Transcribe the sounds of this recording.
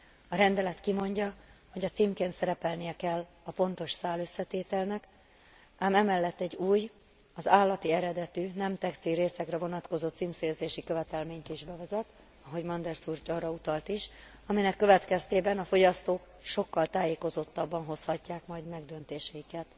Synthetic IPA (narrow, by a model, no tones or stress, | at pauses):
ɒɾɛnd̪ɛlɛt̪kimo̞ɲɟɒho̞ɟɒt̪siːmkeːnt̪sɛɾɛpɛlnijɛkɛlː | ɒpo̞nt̪o̞ʃsaːlø̞sːɛt̪eːt̪ɛlnɛk | aːmɛmɛlːɛt̪ːɛɟːuːj | ɒzaːlːɒt̪iɛɾɛd̪ɛt̪ynɛmt̪ɛkst̪ilɾeːsɛkrɛvo̞nɒt̪ko̞zoːt̪siːmseːrzeːʃikø̞vɛt̪ɛlmeːɲt̪iʒbɛvɛzɛt̪ | ɒɦo̞ɟmɒnd̪ɛrsurt͡ʃɒːrɒut̪ɒlt̪iʃ | ɒminɛkːøvɛt̪kɛst̪eːbɛnɒfo̞ɟɒst̪oːk | ʃo̞kːɒlt̪aːjeːko̞zot̪ːɒbːɒnɦo̞shɒcːaːkmɒjd̪mɛɡd̪ø̞nt̪eːʃɛjikɛt̪